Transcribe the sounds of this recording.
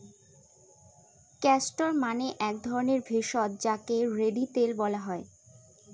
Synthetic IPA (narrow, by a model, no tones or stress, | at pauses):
kɛsʈoɾmaneʔɛk̚d̪ʱɔɾoneɾbʱeʃɔt̪̚d͡ʑakeɾeɖit̪elbɔlaɦɔe